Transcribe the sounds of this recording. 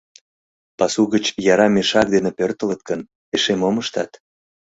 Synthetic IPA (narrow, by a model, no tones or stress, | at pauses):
pɑsuɣət͡ɕjɑɾɑmeʃɑk̚d̪enepørt̪ələt̪̚kən | eʃemoməʃt̪ɑt̪